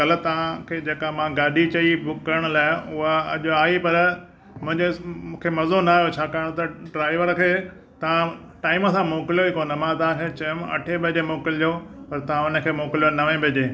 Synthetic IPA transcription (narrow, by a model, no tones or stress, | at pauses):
ɐlə̆t̪ɐʋ̤ãkʰeːd͡ʑeːkamãɡaːɗit͡ɕɐibʊkːɐɾəɽ̃ʊlaːɪʊɦaɐ̰ʄoaːipɐɾ | mʊ̃ɦɪ̃ɲd͡ʑemũːkʰemɐzonaːɦjot͡ɕʰaːkaːəɽ̃t̪ɐɖɾaːɪʋəɾkʰeː | t̪ɐʋ̤ãʈaːɪmə̃sãmoːkɪlijobikoːnəmãt̪ɐʋãkʰet͡ɕɐʊmɐ̰ʈʰeɓɪʄemoːkɪld͡ʑopɐɾt̪ɐʋ̤ãʊnə̆kʰeːmoːkɪlijonɐʋẽbɪd͡ʑẽː